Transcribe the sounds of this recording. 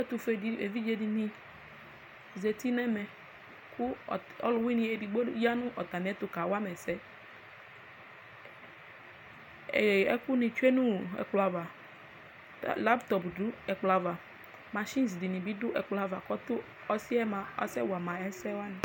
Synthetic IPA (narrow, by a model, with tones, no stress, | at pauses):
ɛ˦t̪u˨fe˨di˨ḛ˨vi˦d͡ʒe˦di˨nĩ˦ | ze˨t̪i˦nɛ˦mɛ˨ | kʊ˦˨ | ɔ̰˦lʊ˨˦wi˦nĩ˨e˨di˨ɡ͡bo˦ja˦nʊ̃˦ʔɔ˨t̪a˨mĩ˨˦ɛ˦t̪ʊ˨ka˨wa˦mɛ˨sɛ˦ | ɛ˨ɛ̰˦ku˦nĩ˨t͡ʃu˦e˦nũ˦ɛ̰˨k͡pla˨va˨ | tla˦bt̪ɔ˨pdu˦ɛ˨k͡pla˨va˨ | ma˨ʃi˦nsdi˨nĩ˨bi˦dʊ˦ʔɛ˨k͡pla˨va˨kɔ˦t̪ʊ˦ | ɔ˦si˦ɛ˦mã˨ɔ̰˦sɛ˦wa˨mã˨ɛ˦sɛ˦wa˦nɪ̃˨